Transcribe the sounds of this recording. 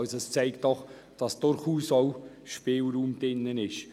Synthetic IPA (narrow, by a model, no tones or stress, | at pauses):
sɛst͡sɛɪktdɔχ | d̥ɑsd̥ʊɾχuːsoʊ | ʃpeːlɾuːmd̥ɪnːənɪʃ